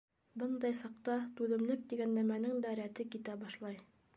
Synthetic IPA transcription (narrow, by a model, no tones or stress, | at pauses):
bɤnd̪ɑjsɑq̚t̪ɑt̪ʉðɘ̆mlɘk̚t̪iɡænːæmænɘŋd̪æɾæt̪ɘkit̪æbɑʃlˠɑj